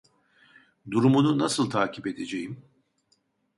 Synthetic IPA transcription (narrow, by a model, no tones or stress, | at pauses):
d̪uɾumununasɯlˠt̪ʰaːcʰipe̞d̪e̞d͡ʒejim